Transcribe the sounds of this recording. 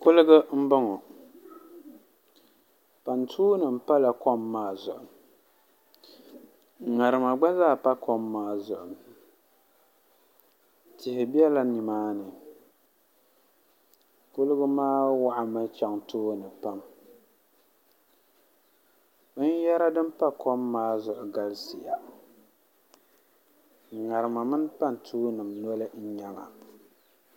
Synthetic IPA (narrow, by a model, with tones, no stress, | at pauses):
kʊ˦lɨ˦ɡɨ˦m̩˦ba˦ŋɔ˨ | pa˨ntʰuː˦nɨ˨m̩˦pa˦la˨kɔ˦mːaː˦zʊ˨ʔʊ˨m˨ | ŋa˨ɾɨ˨ma˨ɡ͡ba˦zaː˦˨pa˦kʰɔ˦mːaː˦zʊ˨ʔʊ˨m | tɪ˨hɪ˨bi˦ɛ˦la˦ni˨maː˦nɨ˨ | kʊ˦lɨ˦ɡʊ˦maː˦wa˦ʔa˨mɨ˦t͡ʃa˨ŋtʰoː˦nɨ˨pa˦m˦ | n˦jɛ˦ɾa˦dɨ˦m˦pa˦kʰɔ˦mːaː˦zʊ˨ʔʊ˨ɡa˦lsɪ˨ja˨ | ŋa˨ɾɨ˨ma˨mɨ˦n˦pa˦n˨tʰuː˦nɨ˨mnɔ˦lɨ˦n̩˦ɲa˦ŋa˨